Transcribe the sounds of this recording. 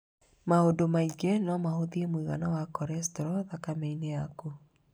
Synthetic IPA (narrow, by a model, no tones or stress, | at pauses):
mahodomaiɡɛnɔmahoðiemwiɣa̰nawakɔɾɛstɔɾɔðakamɛineaku